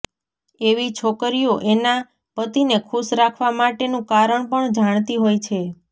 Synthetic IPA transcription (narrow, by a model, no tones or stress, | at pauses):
eʋit͡ʃʰokɾijoʔena | pət̪inekʰuʃɾakʰʋamaʈenũkaɾəɳpəɳd͡ʒaɳ̃t̪iɦojt͡ʃʰe